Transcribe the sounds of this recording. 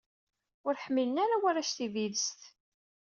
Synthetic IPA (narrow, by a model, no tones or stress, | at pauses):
ʊɾħəmːilənaɾawaɾaʃθiviðəst̪